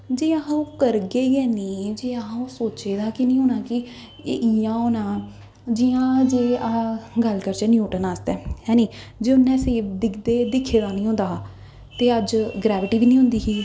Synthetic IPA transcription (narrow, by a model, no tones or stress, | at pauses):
d͡ʒeːəɦãõːkəɾɡəiːɛːniːd͡ʒeːaɦãoːsoːt͡ʃeːd̪aːkɪnĩːoːnãːkɪ̰ | ʔiãːoːnaː | d͡ʒijãːd͡ʒeːaɡəlkəɾt͡ʃɛːnjuːʈənaːsd̪ɛːɦɛ̃ːniːd͡ʒeːʊnːɛ̃ːseːbd̪ɪkʰd̪eːd̪ɪkʰːeːd̪aːnĩːɦʊ̃nd̪aː | t̪eːəd͡ʒɡɾɛːʋɪʈiːʋiːnĩːɦʊ̃nd̪iːɦiː